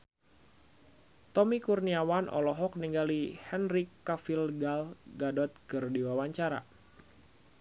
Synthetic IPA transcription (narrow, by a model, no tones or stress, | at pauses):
t̪ɔmikurniawanʔɔ̰lɔɦɔk̚niŋɡalihɛnrikːafilɡalɡadɔt̪̚kɨrdiwawaɲt͡ʃaɾa̰